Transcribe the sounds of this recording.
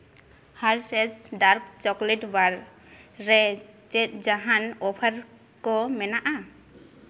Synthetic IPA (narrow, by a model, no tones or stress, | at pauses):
haɹsɛsɖaɾkt͡ʃɔkleʈbaɾː | ɛt͡ʃɛt̚d͡ʒaɦanɔpʰaɾ | kɔmɛnaʔa